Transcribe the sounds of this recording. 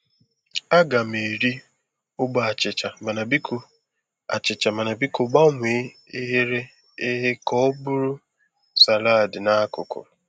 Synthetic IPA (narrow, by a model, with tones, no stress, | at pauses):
a˦ɡa˨m̩e˨ɾi˦ | ʊ˦ɡ͡ba˨a˨t͡ʃɪ˨t͡ʃa˨ma˨na˨bi˦k | a̰˨t͡ʃɪ˨t͡ʃa˨ma˨na˨bi˦kʊ˨ɡ͡ba˦ŋʷ˨e˨˦ | ɪ˦ɦe˦ɾe˦ | ɪ˦ɦe˦kɔ˦bʊ˦ɾʊ˦ | sa˨la˦˨dɪ˨na˦kʊ̰˨kʊ̰˨